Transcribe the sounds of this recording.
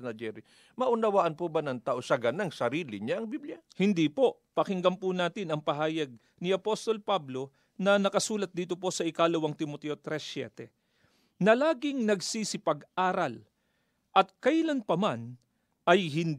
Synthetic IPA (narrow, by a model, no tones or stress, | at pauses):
nɐd͡ʒɛɾi | mɐʔʊnɐwaːʔɐnpobɐnɐŋt̪aːʔosɐɡɐnaŋsɐɾiːlɪɲaʔɐŋbiblɪjahɪnd̪ipo̞ | pɐkɪŋɡɐmpʊnaːt̪ɪnɐŋpɐɦaːjɐɡ̚ | niʔɐpo̞st̪o̞lpablo̞ | nɐnɐkɐsuːlɐt̪̚d̪iːt̪opo̞sɐʔɪkalɐwɐŋt̪ɪmot̪ɛʔot̪ɾɛsɛ̰t̪ɛ | nɐlaːɡɪŋnɐɡsisɪpɐɡʔaːɾɐl | ʔɐt̪̚kɐjlɐnpɐman | ʔɐjɦɪn